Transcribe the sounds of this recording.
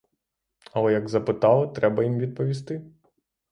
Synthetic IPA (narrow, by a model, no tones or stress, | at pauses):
ɐlˠɛjɐɡzɐpɪt̪ɑlˠɪt̪ɾɛbɐjimʋʲid̪̚pɔʋʲis̬t̪ɪ